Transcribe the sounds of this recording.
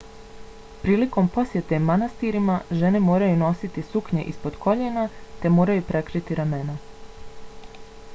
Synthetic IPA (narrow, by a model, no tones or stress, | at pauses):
pɾiːliko̞mpo̞sje̞t̪e̞manast̪iɾimaʒe̞ne̞mo̞ːɾajuno̞sit̪isukɲe̞̰ʔispo̞d̪kʰo̞ʎenat̪e̞mo̞ːɾajupɾe̞kɾit̪iɾame̞na